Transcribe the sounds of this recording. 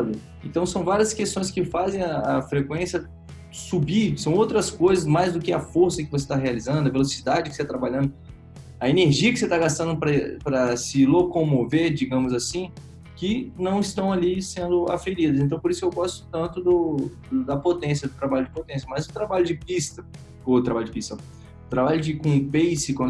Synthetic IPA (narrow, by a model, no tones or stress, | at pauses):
lʊ | ẽt̪ɐ̃w̃sɐ̃w̃vaɾiɐskest̪õj̃skɪfazẽj̃ɐːfɾekwẽsjɐ | subid͡ʒʊsɐ̃w̃owt̪ɾɐskojzɐsmajzd̪ʊkɪɐfoɾsɐkɪvos̬e̥t̪aɦealizɐ̃nd̪ʊɐvelosid̪ad͡ʒɪkɪ̥set̪at̪ɾabaʎɐ̃nd̪ʊ | ɐeneɾʒiɐkɪ̥set̪aɡast̪ɐ̃nd̪ʊpɾɐpɾɐsɪlokomoveɾd͡ʒiɡɐ̃mʊzasĩ | kɪnɐ̃w̃ɪst̪ɐ̃w̃alisẽnd̪ʊa̰feɾid̪ɐsẽt̪ɐ̃w̃poɾisʊkewɡɔst̪ʊ̥t̪ɐ̃nt̪ʊd̪ʊd̪d̪ɐpot̪ẽsjɐd̪ʊt̪ɾabaʎʊd͡ʒɪpot̪ẽsjɐmɐjzʊt̪ɾabaʎʊd͡ʒɪpist̪ɐ | ot̪ɾabaʎʊd͡ʒɪpist̪ɐ | ʊt̪ɾabaʎʊd͡ʒɪkõpejsɪkõ